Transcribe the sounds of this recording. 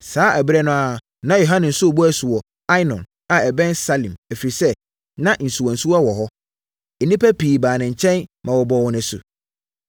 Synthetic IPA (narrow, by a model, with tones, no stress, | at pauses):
saː˨˦ʔæ˨bɪ˦ɾɛ˦nʊ̃˦a˨ | nã˦jo˨ɦã˦nɪ̃˨n̩˨sʊ˦o˨bu˦æ˨su˨wɔ˨ | a˦i˦nɔ̰̃˨n | a˨ɛ˨bɛ̃˦nsa˦lĩ˨mæ˨fi˨ɾi˨sɛ˦ | nã˦n̩˨su˨wɔ˨n̩˨su˦wa˦wɔ˨ɦɔ˦ | ɛ˨nĩ˦pæ˦piː˨baː˨nɪ̃˨ɲ̩˨t͡ɕʰɛ̃˦nmã˨wɔ˨bɔ˨wɔ˨nʊ̃˨˦sʊ̰˨